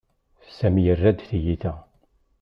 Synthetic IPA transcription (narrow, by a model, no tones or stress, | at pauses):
sæmjərːæd̪θjiθæ